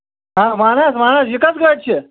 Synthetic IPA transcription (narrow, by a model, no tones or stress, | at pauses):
ɦãmaːñasmañasʋikəsɡət͡ʃʰe